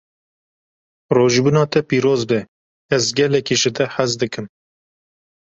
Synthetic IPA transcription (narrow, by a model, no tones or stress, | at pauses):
roːʒibunɑːt̪ʰɛpiːɾoːzbɛ | ɛzɡɛlɛkiːʒɨd̪ɛħæzd̪ɨkɨm